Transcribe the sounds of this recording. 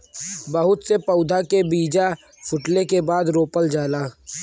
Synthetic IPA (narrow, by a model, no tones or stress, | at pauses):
bəɦʊt̪sepəʊd̪ʱakebiːd͡ʒa | fʰʊʈlekebaːd̪ɾoːpəld͡ʒaːlaː